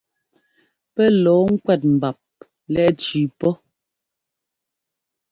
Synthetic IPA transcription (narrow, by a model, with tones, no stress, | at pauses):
pɛ˦lɔː˨˦ŋ̩˦kwɛ˦˨t̬̚m̩˨ba˨p̚ | lɛ˦ʔt͡ʃʉː˨pɔ˦